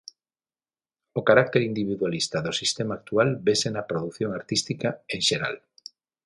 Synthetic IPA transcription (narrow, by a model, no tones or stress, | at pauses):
okaɾak̚t̪eɾind̪iβiðwalist̪ɐðosist̪emaːk̚t̪ualbesenɐpɾoðuθjoŋaɾt̪ist̪ikaeŋʃeɾa̰l